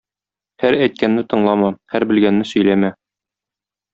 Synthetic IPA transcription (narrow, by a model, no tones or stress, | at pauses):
hæɾæjt̪̚kænːɘt̪ɤ̆ɴlˠɑmɑhæɾbɘ̆lɡænːɘsɵ̆jlæmæ